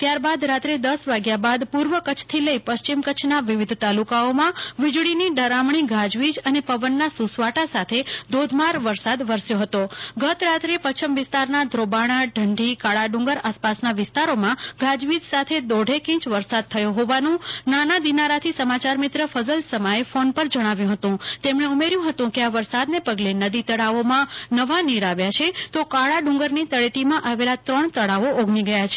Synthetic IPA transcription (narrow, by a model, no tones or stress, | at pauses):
t̪jaɾbad̪ɾat̪ɾed̪əsʋaɡjabad̪puɾʋəkət͡ʃʰt̪ʰiləipəst͡ʃimkət͡ʃʰnaʋɪʋɪd̪ʱt̪alukaomãʋɪd͡ʒɽiniɖəɾamɳ̃iɡʱad͡ʒʋid͡ʒənepəʋənːasusʋaʈasat̪ʰed̪ʱod̪ʱmaɾʋəɾsad̪ʋəɾsjoɦət̪oɡət̪ɾat̪ɾepət͡ʃʰəmʋɪst̪aɾnad̪ʱɾobaɽ̃ãɖʱəɳɖʱikaɭaɖũŋɡəɾaspasnaʋɪst̪aɾomãɡʱad͡ʒʋid̪sat̪ʰed̪oɖʱekĩt͡ʃʋəɾsad̪̚t̪ʰəjoɦoʋanũnanad̪inaɾat̪ʰisəmat͡ʃaɾmɪt̪ɾəfəzəlsəmaefonpəɾd͡ʒəɽ̃aʋjũɦət̪ũt̪emɳ̃eumeɾjũɦət̪ũkeaʋəɾsad̪nepəɡlenəd̪it̪əɽaʋomãnəʋaniɾaʋjat͡ʃʰet̪okaɭaɖũŋɡəɾnit̪əɭeʈimãʔaʋelat̪ɾəɳt̪əɽaʋoʔoɡʱniɡəjat͡ʃʰe̥